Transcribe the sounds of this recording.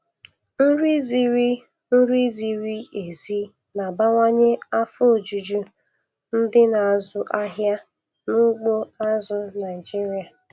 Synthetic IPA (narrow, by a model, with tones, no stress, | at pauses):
n̩˦ɾi˦zi˦ɾi˦ | n̩˦ɾi˦zi˨ɾi˦e˨zi˦ | na˨ba˦ŋʷa˦ɲe˦a˦fʊ˦˨d͡ʒu˨d͡ʒu˦ | n̩˦dɪ˦na˨a˨zʊ˨ʔa˦ɦja˦ | nʊ˦ɡ͡bo˦a˦zʊ˦na˨ɪ˨d͡ʒi˦ɾi˨a˨